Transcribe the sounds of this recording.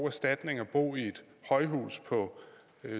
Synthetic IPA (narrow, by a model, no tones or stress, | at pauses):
æsd̥æd̥ne̝ŋɒb̥o̝̰ːie̝d̥ | hɒ̽ɪɦṵːspʰɒ̽